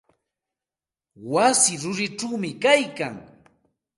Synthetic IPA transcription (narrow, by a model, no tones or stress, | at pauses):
wasɪɾʊɾɪʈ͡ʂawmɪkajkaŋ